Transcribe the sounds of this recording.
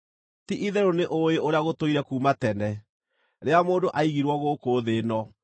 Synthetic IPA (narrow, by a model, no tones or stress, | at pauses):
tiʔiðɛɾoneʔoeoɾeaɣotoiɾɛkuːmatɛnɛ | ɾeamoːndoʔaiɣiɾwɔɣokoːðenɔ